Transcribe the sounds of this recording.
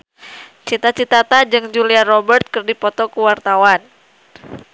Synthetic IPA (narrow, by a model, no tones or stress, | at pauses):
t͡ʃit̪at͡ʃit̪at̪ad͡ʒɨŋd͡ʒuliarɔbərt̪̚kɨrdipɔt̪ɔkuwart̪awan